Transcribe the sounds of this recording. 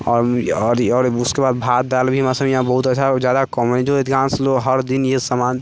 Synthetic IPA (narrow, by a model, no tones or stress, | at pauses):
ɔːɾɔːɾɔːɾuskebaːd̪̚bʱat̪̚d̪albʱiɦmasə̃mjɦãbəɦut̪əːʃʰad͡ʒjad̪akɔmənid͡ʒoed̪ɡãnsloɦəɾd̪injesəman